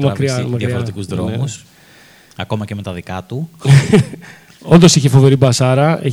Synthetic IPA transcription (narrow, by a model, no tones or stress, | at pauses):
mɐkɾiɐmɐkðjɐfoɾet̪ikuzðɾo̞̰mus | ɐko̞mɐceme̞t̪ɐðikɐt̪u | ond̪o̞siçefo̞ve̞ɾibɐsɐɾɐe